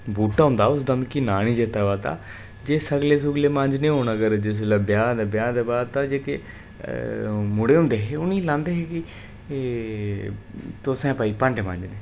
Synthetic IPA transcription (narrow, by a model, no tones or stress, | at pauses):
buːʈaːɦʊ̃ːnd̪aːʊsd̪əmkinaːñiːd͡ʒet̪aːʋaːt̪a̰ː | d͡ʒeːsəɡleːs̬ʊɡleːmə̃ɲd͡ʒnẽːɦoːnəɡəɾd͡ʒes̬ləbjaːd̪bjãːd̪eːbaːd̪t̪ãːd͡ʒeːke | mʊɽeːɦʊ̃ːnd̪eːɦeːʊniːlãːnd̪eːɦeːkɪ | t̪osɛ̃ːpaːiːpə̃ɳɖemə̰̃ɲd͡ʒneː